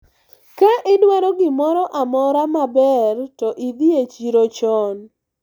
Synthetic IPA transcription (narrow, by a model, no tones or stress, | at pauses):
kaʔɪdwaɾɔɡɪmɔɾɔʔamɔɾamabɛrtɔʔid̪iet͡ʃiɾot͡ʃɔn